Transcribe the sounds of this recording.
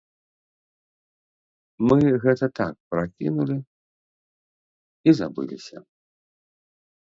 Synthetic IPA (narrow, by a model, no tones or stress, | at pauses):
mɨɣɛt̪ɐt̪a̰k̚pɾakʲḭnulʲi | izabɨ̰lʲḭsʲɐ̰